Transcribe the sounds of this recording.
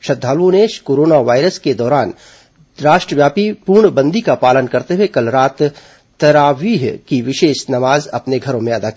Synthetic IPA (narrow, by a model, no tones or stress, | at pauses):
ʃɐd̪ʱːaːlõneːʃkoːɾoːnaʋaːɪɾəsked̪ɔːɾaːn | ɾaːʃʈɾəʋjaːpipuɾɳbɐ̃nd̪ʱikapaːlənkɐɾt̪eɦwekɐlɾaːt̪ː | ɐɾaːʋiːɦkiʋɪʃeːʃnɐmaːzɐ̰pneɡʱɐɾõmẽɐd̪aːki